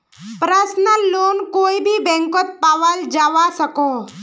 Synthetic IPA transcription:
pɾəsnəlːoːnkoːibʱibɛ̃ŋkət̪̚paʋəld͡ʒaʋasəko

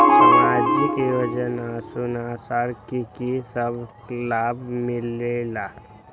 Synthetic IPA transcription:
maːd͡ʒkjoːd͡ʒənasunaːsaːɾkikisəb | laːbmɪlela

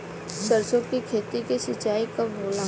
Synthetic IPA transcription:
səɾsõkikʰeːt̪ikeʃɪt͡ʃaːikɐbboːlãː

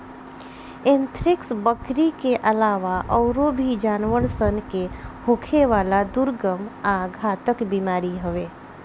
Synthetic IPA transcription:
ent̪ʰɾɪksbəkɾikeʔəlaːʋaʔɔʊɾobʱid͡ʒaːnʋəɽsənkehokʰeʋaːlad̪ʊɾɡəmaɡʱaːt̪əkbimaːɾiɦəʋe

